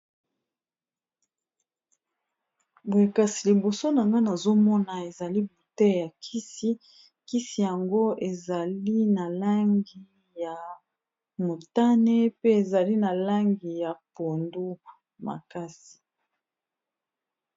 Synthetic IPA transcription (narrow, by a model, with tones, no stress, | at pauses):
bwe˨ka˦si˨li˨bo˨so˦na˨ŋɡa˦na˨zo˦mɔ˦na˨e˨za˨li˦bu˨tɛ˦ja˨kʰi˦si˦ | ki˦si˨ja˨ŋɡo˦e˨za˨li˦na˨la˦ŋɡi˨ | ja˨ | mo˨ta˦ne˦pe˦e˨za˨li˦na˨la˦ŋɡi˨ja˨po˨ndu˦ | ma̰˨ka˦si̥˨